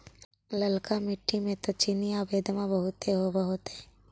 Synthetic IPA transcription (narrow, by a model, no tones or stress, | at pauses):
ləlkamɪʈʰːimẽt̪ot͡ʃinijaːbeːd̪mabɐɦʊt̪ːeɦobaɦot̪ɦɛː